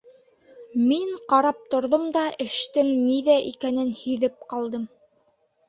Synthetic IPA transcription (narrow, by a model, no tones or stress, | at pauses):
miɴqɑɾɑp̚t̪ŏɾðomd̪ɑʔɘ̆ʃt̪ɘŋniðæʔikænɘnhɵ̆ðɘp̚qɑlˠd̪ɤm